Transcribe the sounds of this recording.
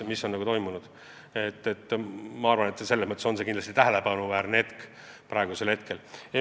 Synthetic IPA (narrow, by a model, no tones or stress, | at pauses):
misːonːɑɡut̪o̞jmunud̪̥ | et̪ːet̪ːmɑɑrvɑne̞t̪sese̞lːesmɤt̪ːˑeso̞nse̞kind̪lɑst̪it̪æɦele̞pɑnuvæːɾnee̞t̪k | pɾɑeɡuse̞lhe̞t̪ke̞le